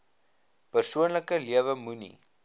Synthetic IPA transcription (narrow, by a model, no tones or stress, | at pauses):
pərsuənləkəliəvəmunḭ